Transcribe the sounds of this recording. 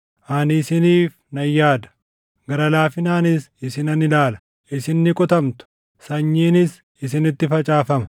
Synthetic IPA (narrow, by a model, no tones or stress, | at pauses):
ʔanɪsɪniːf | nɐjːaːd̪ɐ̥ | ɡɐɾɐlaːfɪnaːnɪsɪsɪnɐnɪlaːlɐ̥ | ʔɪsɪnːɪkʼɔt̪ɐmt̪ʊ̥ | sɐɲːiːnɪs | ɪsɪnɪt̪ːɪfɐt͡ʃʼaːfɐmɐ̥